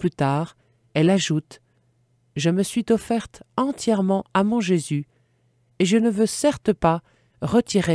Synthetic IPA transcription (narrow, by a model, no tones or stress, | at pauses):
plyt̪aʁ | ɛlaʒut̪ | ʒəməsɥit̪ɔfɛʁt̪ɑ̃t̪jɛʁmɑ̃amɔ̃ʒezy | eʒənəvøsɛʁt̪pa | ʁət̪iʁe